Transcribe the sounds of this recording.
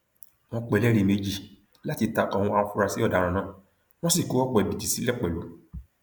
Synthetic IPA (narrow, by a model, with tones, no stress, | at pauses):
mɔ̃˧˦k͡pɛ˨lɛ˦ɾe˨me˧d͡ʒi˨ | la˦ti˧ta˧˨kɔ˧˨wũ˧a˧wã˧fu˦ɾa˧si˨˦ɔ˦˨da˨˦ɾ̃ã˧nãː˦ | w̃ɔ̃˦si˦˨ku˨˦ɔ˦k͡pɔ˧˨e˨bi˨ti˨si˨˦lɛ˦˨k͡pɛ˨lo˨